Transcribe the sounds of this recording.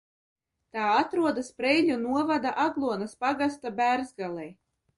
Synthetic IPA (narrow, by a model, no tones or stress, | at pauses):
t̪aːat̪ɾuɔd̪aspɾɛjʎʲunuɔvad̪aʔaɡlˠuɔnaspaɡast̪abæɾzɡalˠɛj